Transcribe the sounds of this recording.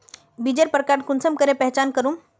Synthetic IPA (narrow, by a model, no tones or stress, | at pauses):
bid͡ʒəɾpɾkaɾkʊnsəmkəɾepɛɦt͡ʃankəɾum